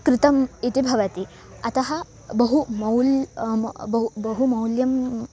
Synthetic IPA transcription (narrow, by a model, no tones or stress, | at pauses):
kɾɪt̪ɐmit̪ibʱɐʋɐt̪i | ɐt̪ɐɦɐ | bɐɦumɐwl | bbɐɦumɐwljɐm